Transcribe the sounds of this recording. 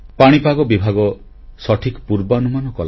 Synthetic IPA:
paɽ̃ipaɡɔbibʱaɡɔ | sɔʈʰikpuɾbaɔnumanɔkɔla

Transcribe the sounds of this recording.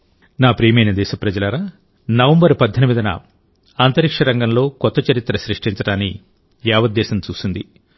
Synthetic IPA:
naːpɾiːmɐjnɐd̪ɛːʃɐpɾɐd͡ʒɐlɐɾaː | nɐʋɐmbɐɾpɐd̪ʱːɐnimid̪ɐnɐ̰ | aːnt̪ɐɾikʂɐɾɐŋɡɐmlo̞ːkɔt̪ːɐt͡ʃɐɾit̪ːɾɐʃɾiʂʈiɲt͡ʃɐɽaːnːḭ | ɛːʋɐd̪ːɛːʃɐmt͡ʃuːsund̪i

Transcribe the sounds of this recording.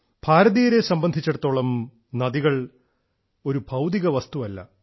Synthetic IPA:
b̥ʱaːɾɐðijɐɾe̞sɐmbɐnd̪ʱit͡ɕːeɽut̪ːoːɭɐm | nɐðiɣɐɭ | o̞ɾubʱɐwd̪iɣɐʋɐst̪uʋɐlːɐ̰

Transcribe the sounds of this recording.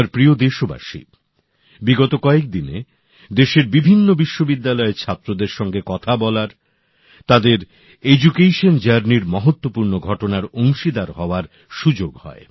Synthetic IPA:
ɾpɾiod̪eʃoba̰ʃḭ | biɡɔt̪okɔek̚d̪inḛ | d̪eʃeɾbibʱinːobiʃːobid̪ːalɔet͡ɕʰat̪ːɾod̪eɾʃɔŋɡekɔt̪ʰabɔlaɾ | t̪ad̪eɾ | ed͡ʑukejʃond͡ʑaɾniɾmɔɦot̪ːopuɾnoɡʱɔʈonaɾoŋʃid̪aɾɦɔoaɾ | ʃud͡ʑoɡhɔ̰e

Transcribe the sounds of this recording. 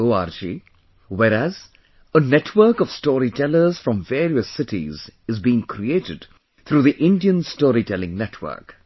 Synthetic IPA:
oːaːɾd͡ʒḭ | wɛɾæz̥ | ənɛʈʰwə˞kɔʋ̥stɔːɾitʰɛləɾz̥fɾɔ̃ɱveːɾiəsɪʈḭzɨzbiːɪ̃ŋkʰɾieːtɨd | t̪ʰɾuːðiʔɪ̃ndiə̃nstɔːɾitʰɛlɪ̃ŋnɛtʰwə̰˞k

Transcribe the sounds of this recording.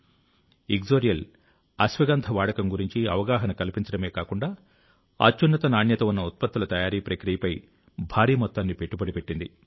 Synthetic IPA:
iɡd͡ʒoːɾijɐl | ɐsʋɐɡaːnt̪ʰɐʋaːɽɐkɐmɡuɾiɲt͡ʃiɐʋɐɡaːɦɐnɐkɐlipiɲt͡ʃɐɽɐme̞ːkaːkuɳɖaː | a̰ːt͡ʃːunːɐt̪ɐnaːɳjɐt̪ɐunːɐut̪̚pɐt̪ːulɐt̪ɐjaːɾiːpɾɐkɾijɐpɐj | bʱaːɾiːmɔt̪ːaːnːipe̞ʈːubɐɽipe̞ʈːind̪ḭ

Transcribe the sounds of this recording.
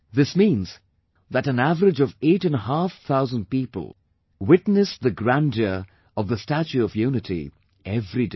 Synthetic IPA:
ðɪsmĩːnz̥ | ðæɾɨ̃nævəɾɨd͡ʒʌveɪʈɨ̃nɦafθʰaʊzə̃nd̚piːpə̰l̩ˠ | wɪtnɨsðəɡɹæ̃nd͡ʒə˞ | ʌvðəstæt͡ʃʉɔvjunɨtʰḭ | ʔɛvɾide

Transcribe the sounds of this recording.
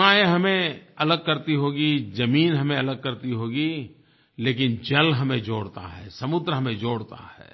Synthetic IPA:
aːeɦɐmẽɐləɡ̚kɐɾt̪iɦoːɡid͡ʒɐmiːnɦɐmẽɐləɡ̚kɐɾt̪iɦoːɡi | leːkɪnd͡ʒɐlɦɐmẽd͡ʒoːɽt̪a̰ɦɛ̰ːsɐmʊd̪ɾəɦɐmẽd͡ʒoːɽt̪a̰hɛ̰ː

